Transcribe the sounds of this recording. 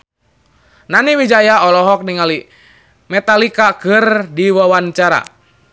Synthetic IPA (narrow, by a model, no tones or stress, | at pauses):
naniwid͡ʒajaɔlɔɦɔk̚niŋali | mɛt̪alikakərdiwawant͡ʃaɾa̰